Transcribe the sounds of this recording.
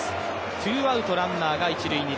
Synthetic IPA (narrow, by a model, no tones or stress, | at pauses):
t̪ʰɨːβaɯ̟t̪o̞ɾãnnaːɡait͡ɕiɾɯ̟iɲ̟i